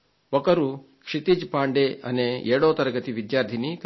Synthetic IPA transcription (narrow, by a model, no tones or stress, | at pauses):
ɔkɐɾu | kʂit̪id͡ʒpaːɳɖeɐ̰neeːɽoːt̪ɐɾɐɡɐt̪iʋid̪jaːɾd̪ʱinik